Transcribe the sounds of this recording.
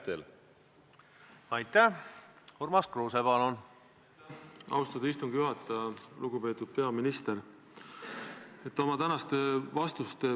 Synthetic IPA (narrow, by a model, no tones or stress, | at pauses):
t̪el | ɑjt̪ˑːæhormɑskroːsepɑlon | ɑ̰wst̪ɑd̪ɑist̪uŋɡ̥juɦɑt̪ːˑɑluɡ̥upe̞ːt̪ːud̪̥̚pe̞ɑminist̪eɾ | e̞t̪ːˑo̞mɑt̪ænɑst̪e̞vɑst̪ust̪e